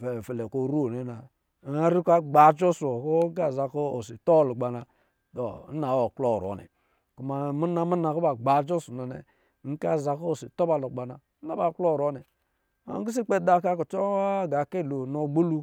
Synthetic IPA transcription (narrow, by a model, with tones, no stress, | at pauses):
fe˨fe˨le˨ko˦˨ɾu˦o˨ne˨na˨˦ | a˦ɾi˦ka˦ɡ͡ba˨d͡ʒo˦so˨ko˦ŋ̩˦a˦˨za˨ko˦o˨si˨to˦ba˨lo˨ɡ͡ba˨na˨ | do˨n̩˦na˨˦o˨klo˦˨ɾo̰˨nḛ˨ | ku˨ma˨mu˦na˦mu˦na˨ko˦ba˨ɡ͡ba˨d͡ʒo˦su˨no˨nḛ˨˦ | ŋ̩˦ka˦˨za˨ko˦˨si˨to˦ba˨lo˨ɡ͡ba˨na˨˦a˨ba˨ko˦˨ɾo˦ne˨ | a̰˦ŋ˦i˦s̬i˦k͡pe˦˨da˦ka˦ko˨t͡ʃo˦ɡa˨ke˦˨lo˨no˨ɡ͡bo˦lu˦